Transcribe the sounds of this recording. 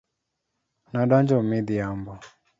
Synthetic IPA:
naɗand͡ʒɔmiðiambɔ

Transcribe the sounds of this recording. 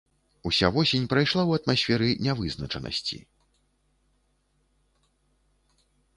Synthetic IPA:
usʲavɔsʲenʲpɾajʂlˠawɐt̪masʲfʲɛɾɨnʲɛvɨznɐt͡ʂɐnʔɐ̰sʲt͡sʲḭ

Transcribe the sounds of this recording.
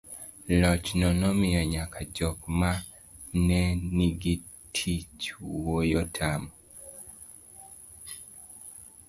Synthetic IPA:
lɔt͡ʃnɔnɔmɪaɲakad͡ʒɔkma | nɛniɡi | tʰit͡ʃwojɔtʰamɔ

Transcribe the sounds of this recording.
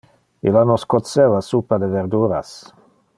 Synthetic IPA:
ilanoskot̪sevasupad̪eveɾd̪uːɾa̰s

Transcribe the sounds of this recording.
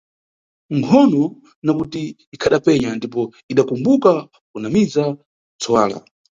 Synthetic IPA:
ŋkʰɔnɔ | nakutiː | kʰaɗapɛɲandip̬ɔ | iɗakumbuka | kunamiza | t͡sʰɔwaːla̰

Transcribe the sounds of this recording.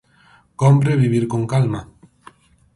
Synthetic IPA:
kompɾeβiβiɾkoŋkalma

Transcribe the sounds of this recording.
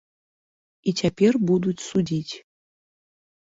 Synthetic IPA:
itʰʲapʲerbud̪utʲsudʲitʲ

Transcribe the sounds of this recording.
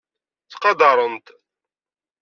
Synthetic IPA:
t͡sːqɑd̪ɑɾˤənt̪

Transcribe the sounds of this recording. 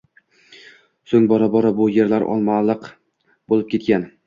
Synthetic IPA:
sɵŋbɒɾabɒɾabʊjeɾlaɾʔɒ̰lˠmalˠɨq | bolˠɪp̚kʲʰe̞t̪̚kʲan

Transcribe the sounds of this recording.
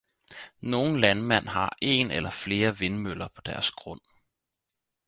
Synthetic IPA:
no̝ːn̩lænmæn̰ɦɑ̈ʔe̝̰nelɐfle̝ːɐʋe̝nmølɐpʰɒ̽d̥æɐsɡ̥ʁɔ̽n̰

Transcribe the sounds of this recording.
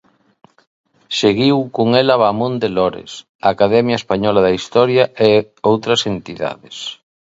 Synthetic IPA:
seɣiwkoŋɛlɐβamõnd̪elɔɾḛs | aːkaðɛmjaespaɲɔlaðɐist̪ɔɾjaʔe | owt̪ɾɐsent̪iða̰ðes

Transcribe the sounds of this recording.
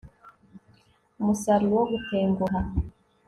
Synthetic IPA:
musaɾuwoɡuteːŋɡuɦa

